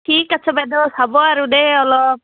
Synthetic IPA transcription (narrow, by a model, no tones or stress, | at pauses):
ʈʰiːkɐsʰɔbɛd̪ɔsabɔaɾudeɔlɔ